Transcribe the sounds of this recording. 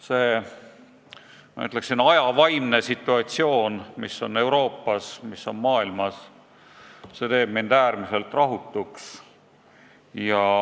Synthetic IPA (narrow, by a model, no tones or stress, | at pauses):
se̞ː | mɑ̰y̰t̪ˑleksinɑjɑvɑjmne̞sit̪ːˑuɑt̪sio̞ːnmisːo̞ne̞wɾo̞ːpːˑɑsmisːo̞nmɑːilmɑs | se̞t̪e̞ːb̥̚mind̪æːɾmise̞lt̪ːrɑɦut̪ːˑuks | jɑ